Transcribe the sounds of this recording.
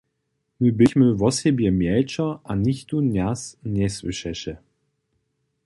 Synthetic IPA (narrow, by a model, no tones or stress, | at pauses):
məbɪçməvɔsɛbjɛmjɛlt͡ʃɐʔanɪçt̪unʲjasnʲɛsvɪʃɛʃɛ